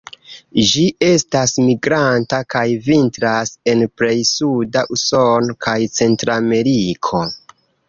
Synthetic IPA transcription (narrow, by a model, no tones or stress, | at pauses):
ʒiʔe̞stasmiɡɾantakajvintɾase̞npɾe̞jsudaʔuso̞nkʰajt͡se̞ntɾame̞ɾikʰo̞